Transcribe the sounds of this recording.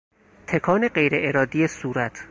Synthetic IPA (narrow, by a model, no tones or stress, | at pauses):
t̪ʰekʰɒːne̞ɢejɾeʔeɾɒːd̪ijesuːɾæt̪ʰ